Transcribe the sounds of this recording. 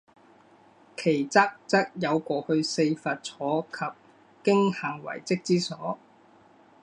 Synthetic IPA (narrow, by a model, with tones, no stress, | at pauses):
kʰe˨˩jt͡sa˥k̚t͡sɐ˥k̚jɐ˨˧wkʷɔː˧hɵ˧ɥse˧jfaː˨˧t̚t͡sʰɔː˨˥kʰɐ˨p̚ | kɪ˥ŋhaː˨˩ŋwɐ̰˨˩jt͡sɪ˥k̚t͡siː˥sɔː˨˥